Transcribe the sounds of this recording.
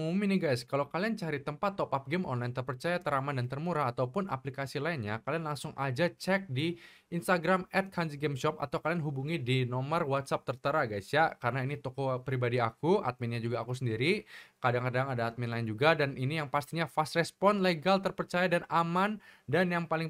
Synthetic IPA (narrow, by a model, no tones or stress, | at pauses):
uminiɡajskalawkaliant͡ʃaɾit̪əmpat̪ːɔpap̚ɡɛmɔ̰nlajint̪ərpərt͡ʃajat̪əɾamandant̪ərmuɾaːt̪awpʊnʔa̰plikasilainɲakalianlaŋsʊŋʔad͡ʒat͡ʃɛk̚di | inst̪aɡɾamɛt̪̚kʰansiɡɛmʃɔpa̰t̪awkalianɦubuŋidinɔmərwat̪sap̚t̪ərt̪əɾaɡajsjakaɾənainit̪ɔkɔpɾibadiakua̰t̪̚minɲad͡ʒuɡaːkus̬əndiɾikadaŋkadaŋadaːt̪̚minlaɪnd͡ʒuɡadaninijaŋpast̪iɲafast̪rɛspɔnleɡalt̪ərpərt͡ʃajadanamandanjaŋpalɪŋ